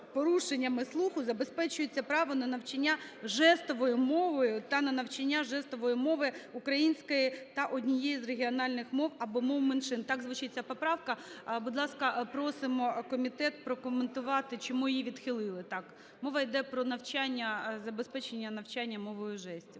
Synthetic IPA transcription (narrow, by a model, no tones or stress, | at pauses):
pɔɾuʃenʲːɐmɪslˠuxʊzɐbespɛt͡ʃʊjet͡sʲːɐpɾɑʋɔnɐnɐwt͡ʃɐnʲːaʒɛst̪ɔʋɔjʊmɔʋɔjʊt̪ɐnɐnɐwt͡ʃɐnʲːaʒɛst̪ɔʋɔjʊmɔʋɪʊkɾɐjinʲsʲkɔjit̪ɐʔɔdʲnʲijejizreɦʲiɔnɑlʲnɪxmɔwɐbɔmɔwmenʃɪnt̪ɑɡzʋut͡ʃɪt̚ʲt͡sʲːɐpɔpɾɑwkɐbud̪lˠɑskɐpɾɔsɪmɔkɔmʲit̪ɛt̪̚pɾɔkɔment̪ʊʋɑt̪ɪt͡ʃɔmujiʋʲid̪xɪlˠɪlˠɪt̪ɑk | mɔʋɐjd̪ɛpɾɔnɐwt͡ʃanʲːɐzɐbespɛt͡ʃenʲːɐnɐwt͡ʃanʲːɐmɔʋɔjʊʒɛsʲtʲi